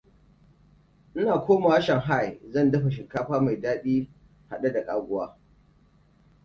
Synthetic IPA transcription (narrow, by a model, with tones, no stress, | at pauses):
ʔɪ˦naː˨kʷoː˦ma˨wa˦ʃɐ˨ŋɦa˦˨jzɐ˦˨ndɐ˦ɸa˨ʃ̬ɪ˨kːaː˦ɸaː˦ma˨jdaː˦ɓiː˦ | ha˨ɗa˦da˨kʼaː˦ɡʷʊ˦waː˦